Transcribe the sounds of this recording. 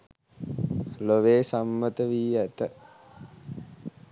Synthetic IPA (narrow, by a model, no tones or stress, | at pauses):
loʋeːsamːət̪əʋiːæt̪ə